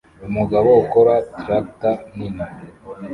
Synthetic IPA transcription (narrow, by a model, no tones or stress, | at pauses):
umuɡaβoukoɾatɾak̚tanina